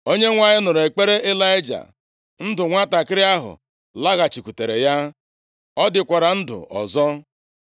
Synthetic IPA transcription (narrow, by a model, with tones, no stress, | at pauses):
o˦ɲe˦ŋʷa˦ɲɪ˦nʊ˨ɾe˨k͡pe˦ɾe˦ʔe˦la˦ɪ˦d͡ʒa̰˨ | n̩˦dʊ˨ŋʷa˦ta˨kɪ˦ɾɪ˦a˦ɦʊ̰˨ | la˦ɣa˨t͡ʃi˨ku˨te˨ɾe˨ja˦ | ɔ˦dɪ˨kʷa˨ɾa˨n̩˦dʊ̰˨ʔɔ̰˨zɔ˦